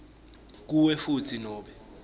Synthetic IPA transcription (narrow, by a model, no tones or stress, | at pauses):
k̬uwɛfutʰinɔːɓɛ